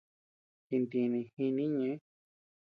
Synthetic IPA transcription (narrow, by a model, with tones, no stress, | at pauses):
ti˧nd̪ĩ˧nĩ˧hĩ˧nĩ˦ɲẽ˧˦